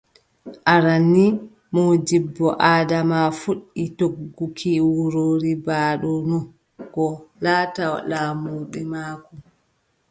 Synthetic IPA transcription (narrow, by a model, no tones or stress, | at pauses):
ʔaɾanːi | mod͡ʒibːɔʔaːdamafuɗːitoɡɡːukʰiwuɾoːɾibaːɗɔnɔ | kɔlaːtaw̰laːmuːɓɛmaːkɔ